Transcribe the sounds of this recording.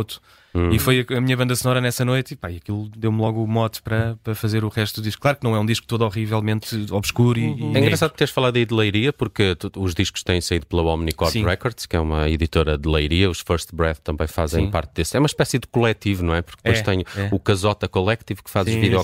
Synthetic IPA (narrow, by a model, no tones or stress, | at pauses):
t̪u̥ | ifojɐɐmiɲɐβɐ̃nd̪ɐsnɔɾɐnɛsɐnojt̪ipaiɐkilˠud̪ewmlˠɔɣumɔt̪pɐɾɐpɾɐfɐzeɾuʁɛʃt̪ud̪uðiʃku̥klˠaɾk̚nɐ̃w̃ɛũd̪iʃku̥t̪oðɔʁivɛlˠmẽnt̪ɔβʃkuɾiɛĩɡɾɐsaðupt̪eɾʃfɐlˠaððɐiðlˠɐjɾiɐpuɾkt̪uuʒðiʃku̥ʃt̪ɐ̃j̃sɐiðuplˠɐɔmnikɔɾsĩʁɛkɔɾðʃkɛumɐiðit̪oɾɐd̪ɨlˠɐjɾiɐuʃfɐɾʃt̪bɾɛðt̪ːɐ̃mbɐ̃j̃fazẽj̃pa̰ɾt̪̚ðesɛumɐʃpɛsiðɨkulˠɛt̪ivunɐ̃w̃ɛpuɾkð̥oʃt̪ɐɲuɛukɐzɔt̪ɐkulˠɛk̚t̪ivkfazuviðjɔ